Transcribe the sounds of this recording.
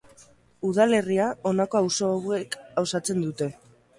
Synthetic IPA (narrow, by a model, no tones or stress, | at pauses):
uðale̞riao̞nako̞awso̞wekɡawsat͡se̞nd̪ut̪e̞